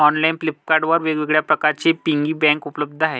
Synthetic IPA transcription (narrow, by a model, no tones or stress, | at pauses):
ɔnlainplip̚kaɾɖʋəɾʋeɡʋeɡɭjapɾəkaɾt͡ɕepiŋɡiːbɛ̃ŋkupləb̚d̪ʱəaɦe